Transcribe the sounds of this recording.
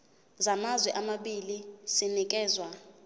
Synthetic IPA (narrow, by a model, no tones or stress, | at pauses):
zamazwɛʔamaɓilisinik̬ʼɛːzwa